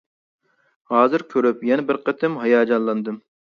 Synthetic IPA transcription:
hɑːzɨɾkʲʰøɾypjɛnɛbɪɾqʰət̪ʰɪmɦɑjɑːd͡ʒɑnlˠɑnd̪ɨm

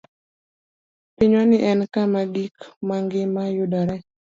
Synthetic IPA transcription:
piɲɔnɪʔɛnkamaɡikmaŋɡɪmajʊdɔɾɛ

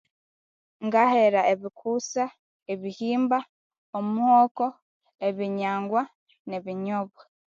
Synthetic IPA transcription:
ŋɡaheɾaeβikʰusa | eβihiːmba | omuhoːko̞ | eβiɲaːŋɡwa | neβiɲoβo

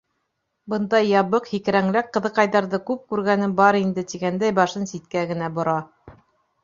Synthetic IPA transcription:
bɤ̆nd̪ɑjːɑβɤqhikɾæŋlækqːɤ̆ðɤ̆qɑjðɑɾðɤkʉp̚kʉɾɡænɘbɑɾind̪ɘt̪iɡænd̪æjbɑʃɤnsit̪kæɡɘ̆næbŏɾɑ

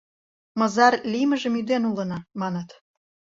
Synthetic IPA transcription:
mɤ̆əzɑrliməʒə̆myd̪enulə̆nɑmɑnət̪

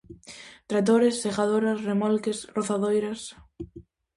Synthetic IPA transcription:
t̪ɾat̪̬oɾesːeɣaðoɾasremɔlkesroθaðojɾas

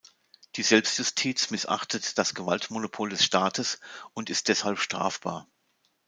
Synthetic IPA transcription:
d̥iːzɛlpstjʊstʰiːt͡smɪsʔa̰χtʰətd̥asɡ̥əvaltmonopʰoldɛsʃtaːtʰəsʊntɪst̚d̥ɛshalpʃtʁ̥a̰ːfb̥a̰ːɐ

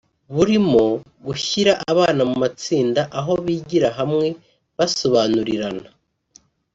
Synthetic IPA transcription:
βuɾimo̞ | ɡuçiɾaʔaβaːnamumat͡siːndaʔaɦo̞βiːɟiɾaɦamŋe̞ | βaso̞βaːnuɾiɾana

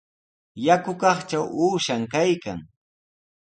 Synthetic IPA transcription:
jakʊkɑχt͡ʃawuːʃaŋkajka̰ŋ

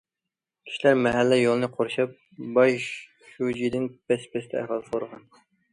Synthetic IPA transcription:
kʲʰi̥ʃilæɾmɛɦælːɛjolˠɨnɨqʰoɾʃɑp̚ | bɑj | ʃud͡ʒid̪ɪnbɛspʰɛst̪ʰɛɛ̰ɦɑlˠsoɾəʁɑn

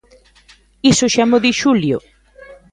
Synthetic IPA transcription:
isʊʃamoðiʃuljʊ̰

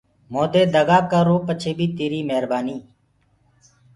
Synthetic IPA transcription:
moːd̪eːd̪əɡaːkəɾoːpət͡ʃʰeːbʱiːt̪eːɾiːmeɦɾbaːniː

